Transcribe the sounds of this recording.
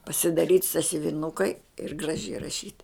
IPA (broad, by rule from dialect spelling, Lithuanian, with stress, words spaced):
pɐsʲɪdɐˈrʲiːtʲ sɐsʲʊʋʲɪˈnʊkɐɪ ɪr ɡrɐˈʒʲɛɪ rɐˈʃʲiːt